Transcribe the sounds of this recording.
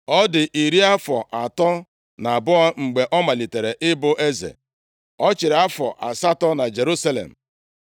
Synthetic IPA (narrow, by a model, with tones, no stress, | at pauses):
ɔ˦dɪ˨ʔi˨ɾi˦a˦fɔ˨ʔa˨tɔ˦ | na˨bʊ˦a˦ŋ͡m̩˨ɡ͡be˨ʔɔ˦ma˨li˨te˨ɾe˨ʔɪ˦bʊ˦ʔe˦zḛ˨ | ɔ˦t͡ʃɪ˨ɾa˦fɔ̰˨ʔa̰˨sa˦tɔ˦na˨d͡ʒe˨ɾu˦sa˦lḛ˨m̩˨